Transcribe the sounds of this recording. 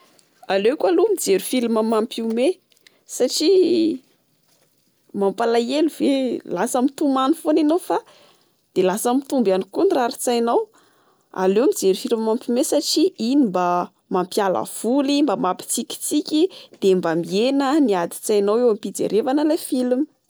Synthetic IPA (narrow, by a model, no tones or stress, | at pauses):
alekʲalumid͡zeɾu̥filiməmampume | saʈ͡ʂi | mampalajeluvelasəmit̪umanifonenawfa | d̪̥elasəmit̪umbanikuniraɾit͡sajnaw | a̰lewmid͡zeɾufiliməmampʲumesaʈ͡ʂiinimba | mampjala̰v̥ulimbamapi̥t͡sikʲi̥t͡sikʲid̪̥embamienəniad̪i̥t͡sajnawewampid͡zḛɾevanəlefilimə̥